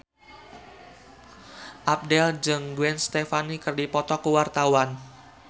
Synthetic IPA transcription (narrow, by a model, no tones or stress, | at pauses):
ʔap̚dɛld͡ʒəŋɡuɛnst̪efanikərdipɔt̪ɔkəwart̪awan